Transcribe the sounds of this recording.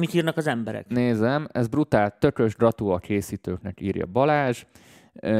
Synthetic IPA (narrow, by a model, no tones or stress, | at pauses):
mit̪iːrnɒkɒzɛmbɛɾɛ̰kneːzɛmɛzbrut̪aːlt̪ːø̞kø̞ʒdrɒt̪uɒkʰeːsiːt̪øːknɛkiːrjɒ̰bɒlaːʒ